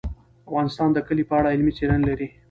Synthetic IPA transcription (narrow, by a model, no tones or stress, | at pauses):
afɣɑnɪst̪ɑnd̪əkəlipəaɽaɪlmit͡seɾanlaɾi